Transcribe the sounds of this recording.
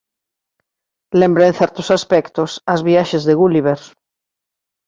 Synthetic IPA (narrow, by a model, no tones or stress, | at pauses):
lẽmbɾeẽnθɛɾt̪osaspɛkt̪osazβiaʃezðeɣuliβ̞eɾ